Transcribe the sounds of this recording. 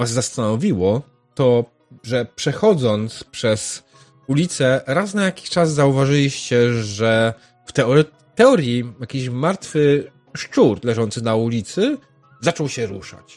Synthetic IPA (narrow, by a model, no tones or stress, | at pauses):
vazːast̪anɔvʲiwɔ | t̪ɔ | ʐɛpʂɛxɔd̪zɔnt̪spʂɛs | ulʲit̪sɛɾasnajakʲi̥ɕt͡ʂas̬zauvaʐɘlʲiɕt͡ɕɛʐɛ | ft̪ɛɔɾ | t̪ɛɔɾjijakʲiɕmaɾt̪fɘ | ʂt͡ʂuɾlɛʐɔnt̪sɘnaulʲit̪sɘ | zat͡ʂɔwɕɛɾuʂa̰t͡ɕ